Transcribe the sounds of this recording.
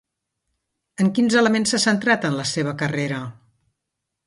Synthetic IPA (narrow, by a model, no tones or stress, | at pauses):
əŋkinzələmensːəsənt̪ɾat̪ənləseβ̞əkəreɾə